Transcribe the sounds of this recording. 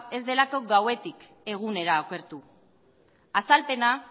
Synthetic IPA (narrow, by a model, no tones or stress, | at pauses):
e̞zd̪e̞lako̞ɡawe̞t̪ik | e̞ɣ̞une̞ɾaːke̞ɾt̪u | asalpe̞na